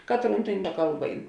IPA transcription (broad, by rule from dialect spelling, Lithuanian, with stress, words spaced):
ˈkɑːtˌruːn tʲeːn ˈkɐlˠˌbɐ ˈɛɪn